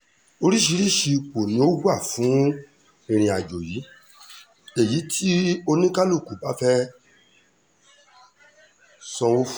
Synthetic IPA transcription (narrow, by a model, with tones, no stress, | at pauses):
o˧ɾi˦ʃi˧˦ɾi˦˨ʃi˧k͡po˨nĩ˦o˦ɡʷa˦˨fũ˨˦ | ĩ˧ɾ̃ĩ˧a˨d͡ʒo˨ji˨˦ | e˨ji˨˦tʰi˦o˧nĩ˦ka˦lu˦˨ku˨ba˨˦fɛ˦ | sɔ̃˧wo˦f